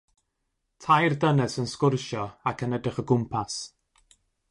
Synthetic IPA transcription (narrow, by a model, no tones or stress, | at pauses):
tʰajrdənɛsənskʊrʃɔakʰənədrɪχəɡʊmpʰas